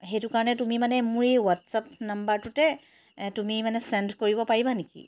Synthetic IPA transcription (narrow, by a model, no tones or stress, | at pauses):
xetukaɹɔnɛtumimanɛmuɹiwatsapnambaɹtutɛ | tumimanɛsɛndkoɹibɔpaɹibanekḭ